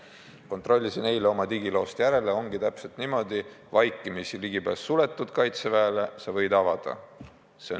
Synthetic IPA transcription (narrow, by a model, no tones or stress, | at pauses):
ko̞nt̪ˑro̞lʲːisine̞jleo̞mɑt̪iɡ̥ilo̞ːst̪jæɾe̞le̞o̞ŋɡit̪æpse̞lt̪nimo̞d̪̥i | vɑjkːˑimisiliɡipæːsːule̞t̪ːˑud̪̥kɑjt̪sevæːlesɑvɤ̞jd̪ɑvɑd̪̥ɑ̰ | se̞